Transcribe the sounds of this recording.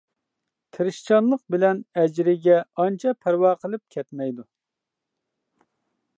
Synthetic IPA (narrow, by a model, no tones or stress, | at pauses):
t̪ʰɪɾɪʃt͡ʃʰɑnlˠəq̚bɪlɛnɛd͡ʒɾɪɡʲɛɑnt͡ʃʰɑpʰæɾwɑːqʰəlˠɨp̚kʲʰɛt̪mɛjd̪u